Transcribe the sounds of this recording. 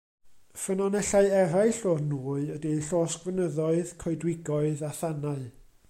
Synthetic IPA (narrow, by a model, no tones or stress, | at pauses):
fənɔnɛɬaɨɛɾajɨɬoːrnuːɨədiɬoːskvənəðɔɨðkʰɔɨdwɪɡɔɨðaθanaɨ